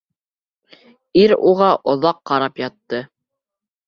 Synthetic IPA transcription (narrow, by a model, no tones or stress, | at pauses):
iɾṵʁɑʔŏðɑqːɑɾɑpjɑt̪ːɤ